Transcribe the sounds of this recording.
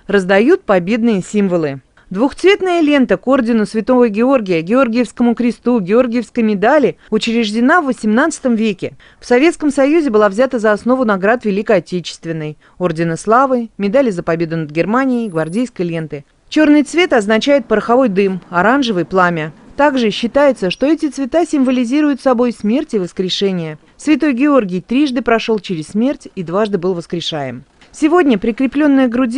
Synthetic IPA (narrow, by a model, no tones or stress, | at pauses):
rəzd̪ɐjut̪̚pɐbʲe̞d̪nɨjəsʲimvəlˠɨ | d̪vʊxt̪svʲe̞t̪nəjəlʲe̞nt̪əko̞rdʲɪnʊsvʲɪt̪o̞vəjɡʲɪo̞rɡʲɪjəɡʲɪo̞rɡʲɪjəfskəmʊkɾʲɪst̪uɡʲɪo̞rɡʲɪjəfskəjmʲɪd̪alʲɪʊt͡ɕɾʲɪʐdʲɪnavːəsʲɪmnat̪sɨ̥t̪əmvʲekʲɪ | fsɐvʲe̞t̪skəmsɐjuzʲɪbɨlˠavzʲat̪əzɐːsno̞vʊnɐɡɾat̪vʲɪlʲikəɐtʲet͡ɕɪ̥st̪vʲɪnːəj | o̞rdʲɪnɨslˠavɨmʲɪd̪alʲɪzəpɐbʲe̞d̪ʊnəd̪ɡʲɪrmanʲɪɪjɡvɐrdʲejskəjlʲe̞nt̪ɨ | t͡ɕornɨjt̪svʲe̞t̪ɐznɐt͡ɕæjɪt̪̚pəɾəxɐvo̞jd̪ɨmɐɾanʐɨvɨjplˠamʲɪt̪aɡʐɨɕːɪt̪ajɪt̪səʂt̪o̞ɛtʲɪt̪svʲɪt̪asʲɪmvəlʲɪzʲiɾʊjʊt̪sɐbo̞jsmʲe̞rtʲɪvəskɾʲɪʂɛnʲɪjə | svʲɪt̪o̞jɡʲɪo̞rɡʲɪjt̪ɾʲiʐd̪ɨpɾɐʂo̞lˠt͡ɕɪɾʲɪssːmʲe̞rtʲid̪vaʐd̪ɨbɨlˠvəskɾʲɪʂajɪ̰m | sʲɪvo̞dʲnʲəpɾʲɪkɾʲɪplʲo̞nːɨjəɡɾʊdʲ